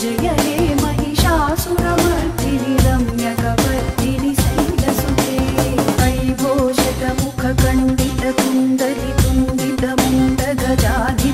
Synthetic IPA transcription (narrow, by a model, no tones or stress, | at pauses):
d͡ʒɐjɐɦeːmɐɦiʃaːsuɾɐmɐɾt̪iniɾɐmjɐkɐpɐɾinisid̪ɐsut̪eːɐjbʱoːʃɐt̪ɐmukʰɐkɐɳɖ̪it̪ɐt̪und̪ɐlit̪und̪it̪ɐmunɖ̪ɐɡ̪ɐd͡ʒaːd̪ʱi